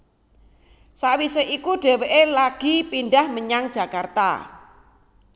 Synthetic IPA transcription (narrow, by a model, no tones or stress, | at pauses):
sawiseʔikuɖ̥e̤weʔelaɡ̥ipindahməɲaŋdd͡ʒʒ̥a̤kart̪a̰